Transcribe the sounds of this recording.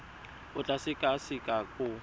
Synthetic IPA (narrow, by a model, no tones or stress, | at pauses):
ʊt͡ɬʼasɪkʼasɪkʼakʼʊ